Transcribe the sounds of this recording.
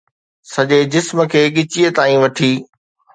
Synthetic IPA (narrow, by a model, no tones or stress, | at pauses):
sɐʄed͡ʑɪsmə̆kʰeːɠɪt͡ɕiət̪aːĩʋɐʈʰiː